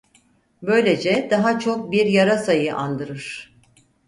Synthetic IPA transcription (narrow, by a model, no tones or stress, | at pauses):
bø̞jlʲe̞d͡ʒɛd̪aɦat͡ʃʰo̞k̚biɾjaɾasajɯʔa̰nd̪ɯɾɯɾ̥